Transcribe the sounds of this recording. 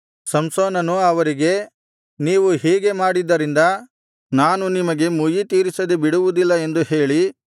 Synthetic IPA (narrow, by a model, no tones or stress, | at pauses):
sɐmsoːnɐnuɐʋɐɾiɡe̞ | niːʋuhiːɡe̞maːɽid̪ːɐɾind̪ɐ | naːnunimɐɡe̞mujit̪iːɾisɐd̪ebiɽuʋud̪ilːɐe̞nd̪uhe̞ːɭi